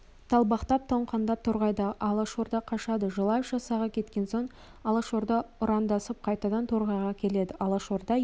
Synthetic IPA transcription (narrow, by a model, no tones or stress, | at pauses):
t̪ʰɑlˠbɑqt̪ɑp̚t̪ʰoɴqʰɑnd̪ɑp̚t̪ʰoɾʁɑjd̪ɑʔɑlˠɑʃoɾd̪ɑqʰɑʃɑd̪əʒəlˠɑʒɑsɑʁɑkʲʰe̞t̪kʲe̞nso̞ɴ | ɑlˠɑʃoɾd̪ɑʊɾɑnd̪ɑsəp̚qʰɑjt̪ɑd̪ɑnt̪ʰoɾʁɑjʁɑkʲʰe̞le̞d̪ɪʔɑlˠɑʃoɾd̪ɑ